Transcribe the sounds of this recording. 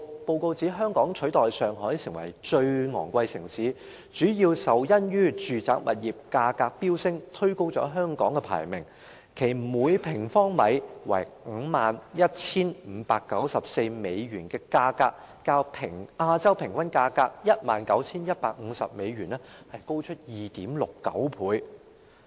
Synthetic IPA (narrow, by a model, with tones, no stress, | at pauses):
po˧wko˧wt͡siː˨˥ɦœː˥ŋkɔː˨˥ŋt͡ʃʰɵ˨˥t̪ɔː˨jsœː˨ŋhɔː˨˥jiː˨˧sɪ˨˩ŋwɐ̰˨˩jt͡ʃɵ˧ɥŋɔ̰ː˨˩ŋkʷɐ˧jsɪ˨˩ŋsiː˨˥ | t͡ʃyː˨˥jiː˧wsɐ˨wjɐ˥njyː˥t͡ʃyː˨t͡saː˨˥k̚mʔɐ̰˨t̚jiː˨p̚kaː˧kaː˧k̚piː˥wsɪ˥ŋt̪ʰɵ˥ko˥wt͡ʃɔ̰ː˨˥ɦœː˥ŋkɔː˨˥ŋkɛ˧pʰa̰ː˨˩jmɪ̰˨˩ŋ | kʰe˨˩jm̩˨muː˨˧jpʰɪ˨˩ŋfɔː˥ŋmɐ˨˧jwɐ̰˨˩jŋ̩˨˧maː˨njɐ˥t̚t͡sʰiː˥nm̩ː˨˧˥paː˧kːɐ˨˥wsɐ˨p̚se˧jme˨˧jɥyː˨˩nkɛː˧kaː˧kaː˧k̚ːaː˧wpʰɪ˨˩ŋʔaː˧t͡sɐ˥wpʰɪ˨˩ŋkwɐ˥nkaː˧kaː˧k̚jɐ˥t̚maː˨nkɐ˨˥wt͡sʰiː˥njɐ˥t̚paː˧k̚ŋ̩ː˨˧sɐ̰˨p̚me˨˧jɥyː˨˩nɛ˥hɐ˨jko˥wt͡ʃʰɵ˥t̚jiː˨t̪iː˨˥mlʊ˨kːɐ̰˨˥wpʰuː˨˧j